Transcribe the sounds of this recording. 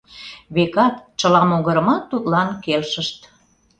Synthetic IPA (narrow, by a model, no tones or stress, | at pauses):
βekɑt̪t͡ɕəlɑmoɣəɾə̆mɑt̪ːut̪lɑnkelʃəʃt̪